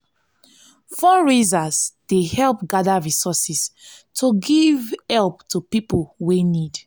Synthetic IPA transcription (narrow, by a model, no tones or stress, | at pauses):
fɔɹizazd̥ehɛlˠp̚ɡadaɹisɔsistʰoɡivhɛlˠptʰupiplwenid